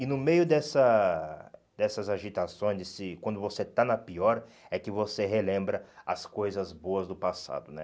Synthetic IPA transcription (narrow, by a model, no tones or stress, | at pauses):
ɪnʊmejʊd̪ɛsɐ | d̪ɛsɐzaʒit̪asõj̃zsɪkwɐ̃nd̪ʊvoset̪anɐpiɔɾ | ɛkɪvoseɦelẽmbɾɐɐskojzɐzboɐzd̪ʊpasa̰d̪ʊnɛ̰